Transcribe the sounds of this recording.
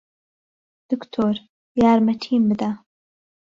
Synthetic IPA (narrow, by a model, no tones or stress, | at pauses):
d̪̥ɨkt̪ʰoːɾ | jaːɾmɐʈʰiːmbɨd̪a